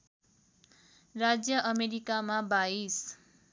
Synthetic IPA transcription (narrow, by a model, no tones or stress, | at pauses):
rad͡zjʌʔʌmeɾikamabais